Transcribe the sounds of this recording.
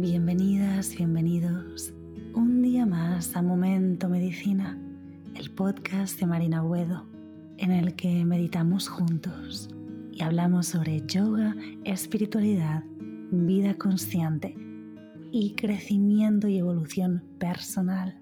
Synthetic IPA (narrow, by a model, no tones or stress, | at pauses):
bje̞mbe̞niðazβje̞mbe̞niðo̞s | und̪iamasamõ̞mẽ̞nt̪ome̞ðiθina | elpo̞t̪kazd̪e̞maɾinaɣwe̞ðo | ene̞lkeme̞ðit̪amosxunt̪os | iaβlamo̞sːo̞β̞ɾe̞ʝoɣ̞aespiɾit̪waliðað | biðako̞nsθje̞nt̪e̞ | ikɾe̞θimje̞nt̪oie̞βo̞luθjo̞mpe̞ɾso̞nal